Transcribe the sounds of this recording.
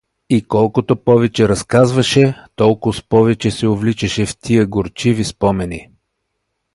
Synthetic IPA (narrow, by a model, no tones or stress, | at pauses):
ikɔlˠkot̪opɔvɛt͡ʃɛɾɐskazvɐʃɛt̪ɔlˠkʊspɔvɛt͡ʃɛsɛovlit͡ʃɐʃɛft̪ʰiəɡoɾt͡ʃivispɔmɛni